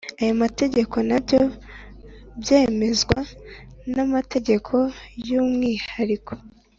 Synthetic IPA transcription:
ajomate̞ɟe̞kʰo̞nabjo | bje̞ːme̞zɡwanamate̞ɟe̞kʰo̞juːmŋiːhaɾikʰo̥

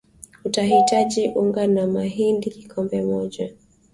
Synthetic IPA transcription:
utaɦitaʄiʔuŋɡanamaɦindiki̥kʰɔmbɛmɔʄa

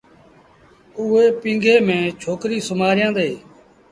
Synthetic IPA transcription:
ʊːɦeːpĩːŋɡʱeːmẽːt͡ʃʰoːkɾiːsʊmaːɾjãːd̪eː

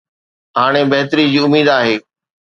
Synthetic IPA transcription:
ɦaːɽ̃ebɐɦt̪əɾid͡ʑiːʊmiːd̪aːɦeː

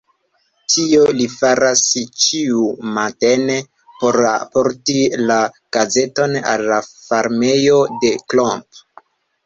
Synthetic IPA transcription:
tʰio̞lifaɾast͡ʃiumate̞ne | po̞ɾa̰po̞ɾtila | ɡ̥aze̞to̞na̰lːafaɾme̞jo̞de̞klomp

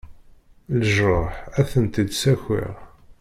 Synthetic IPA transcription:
ləʒɾˤɑħæθənt̪id̪sæçɪ̰ʁ

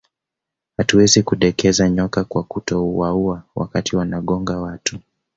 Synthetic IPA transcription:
hatuwɛzikuɗɛkɛzaɲɔkakwakutɔwauawa̰katʰiwanaɠɔŋɡawatu

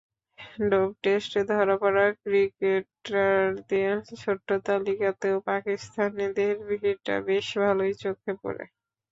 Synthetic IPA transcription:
ɖɔb̚ʈesʈed̪ʱɔɾapɔɾakɾikeʈaɾd̪iaʃʰoʈːot̪alikat̪eopakist̪ʰaned̪eɾbiɦiɾʈa̰beʃbʱalojt͡ɕokʰːepo̰ɾḛ

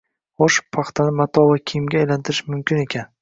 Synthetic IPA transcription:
χoʃpʰɑχt̪ʰanɪmat̪ʰɒvakʲʰijɪmɡʲaːjlant̪ʰɪɾɪʃmʊmkʲɪne̞kʲʰan

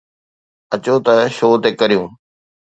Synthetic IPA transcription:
ɐt͡ɕot̪ɐʃoːt̪ekɐɾijũː

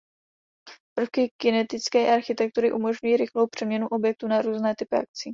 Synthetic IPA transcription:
pr̩fkɪkɪnɛt̪ɪt͡skɛːʔaɾxɪt̪ɛk̚t̪uɾɪʔumo̞ʒɲujiːɾɪxlo̞wpr̝̥ɛmɲɛnuʔo̞bjɛk̚t̪unaɾuːznɛːt̪ɪpɪʔa̰k̚t͡siː

